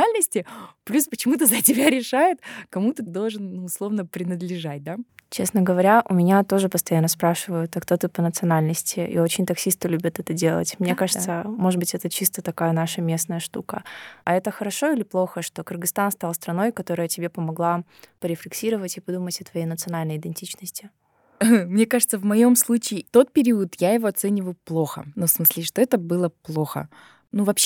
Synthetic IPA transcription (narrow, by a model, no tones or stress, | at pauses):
alʲnəsʲtʲɪplʲuspət͡ɕɪmut̪əzɐtʲɪbʲaɾʲɪʂajɪt̪kɐmut̪əd̪o̞lˠʐɨnnuʊslˠo̞vnəpɾʲɪnəd̪lʲɪʐat̚ʲd̪at͡ɕe̞snəɡəvɐɾʲaʔʊmʲɪnʲat̪o̞ʐɨpəst̪ɐjanːəspɾaʂɨvəjʊt̪ɐkt̪o̞t̪ɨpənət̪sɨɐnalʲnəsʲtʲɪḭo̞t͡ɕɪnʲt̪ɐksʲist̪əlʲubʲət̪ɛt̪ədʲe̞lˠə̰tʲmnʲe̞kaʐɨttsəmoʐɨd̪bɨtʲɛt̪ət͡ɕist̪ət̪ɐkajənaʂəmʲe̞snəjəʂt̪ukəɐɛt̪əxəɾɐʂo̞ilʲɪplˠo̞xəʂt̪o̞kɨrɡɨst̪anst̪alˠst̪ɾɐno̞jkɐt̪o̞ɾəjətʲɪbʲepəmɐɡlˠapəɾʲɪflʲɪksʲiɾəvətʲɪpɐd̪umətʲɐt̪vɐjejnət̪sɨɐnalʲnəjɪd̪ʲɪnʲtʲit͡ɕnəsʲtʲɪ | mnʲekaʐɨt̪səvmɐjo̞mslˠut͡ɕɪːt̪o̞t̪̚pʲɪɾʲiʊt̪jaɪvo̞ɐt̪sɛnʲɪvəjʊplˠo̞xə̰nufsmɨsʲlʲɪʂt̪o̞ɛt̪əbɨlˠəplˠo̞xə̰ | nuvɐpɕ